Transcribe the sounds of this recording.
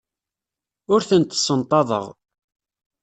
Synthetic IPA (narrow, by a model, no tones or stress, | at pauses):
ʊɾθənt̪sːənt̪ˤɑðˤə̰ʁ